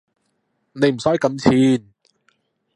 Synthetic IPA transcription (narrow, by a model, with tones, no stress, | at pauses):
ne˨˧jm̩˨˩sɔː˨˥jkɐ˨˧˥nt͡sʰiː˧n